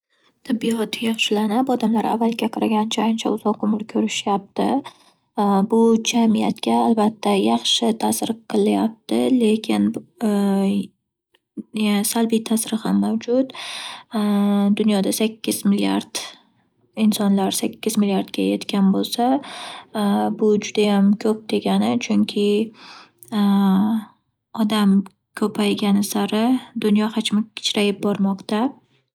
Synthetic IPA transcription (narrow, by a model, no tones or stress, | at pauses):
t̪ʰɪbːiɒt̪ʰɪjɑχʃɪlanapɒd̪amlaɾa̰vːalɡʲaqʰɑɾaɡʲant͡ʃʰaant͡ʃʰa̰ʊzɒqʊmɪɾkʲʰɵɾɪʃjap̚t̪ɪ̰ | bʊd͡ʒamija̰t̪kʲaːlbat̪ʰːajɑχʃɪt̪ʰasɾɨqʰɨlˠajap̚t̪ɪle̞kʲʰɪn | salbijt̪ʰasɾɪhamːawd͡ʒʊt̪ | d̪ʊnjɒd̪asakʲʰːɪzmɪlija̰ɾd̪̥ | ɪnsɒnlaɾsakʲːɪzmɪlijaɾd̪ɡʲajet̪kʲanbolˠsa | bʊd͡ʒʊd̪ajamkʰɵp̚d̪e̞ɡʲanɪt͡ʃʰʊŋkʲʰɪ | ɒd̪am | kʲʰɵpʰajɡʲanɪsaɾɪd̪ʊnjɒhat͡ʃmɪkʲʰɪ̥t͡ʃɾajɪp̚bɒɾmɒqt̪a